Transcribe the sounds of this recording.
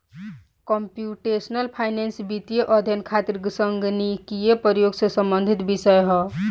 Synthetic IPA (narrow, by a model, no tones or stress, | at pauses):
kɔmpjuʈesnəlpʰajnensbit̪ijeʔʌd̪ʱjʌnkʰat̪iɾɡsəŋɡnikijepəjoɡsesəmbənd̪ʱit̪bisəjɦʌ